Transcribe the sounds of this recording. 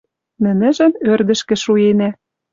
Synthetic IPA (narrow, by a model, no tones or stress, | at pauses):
nɘ̆nɘ̆ʒɘ̆nørd̪ə̆ʃkɘ̆ʃuenæ